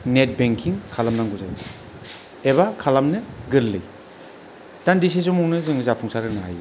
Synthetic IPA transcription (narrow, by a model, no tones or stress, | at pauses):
net̚beŋkʰiŋkʰalamnaŋɡuza̰j | eβakʰalamnɯɡɯɾlːɯj | tandis̬isumuŋnɯzɯŋzapʰuŋsaɾɯnaa̰j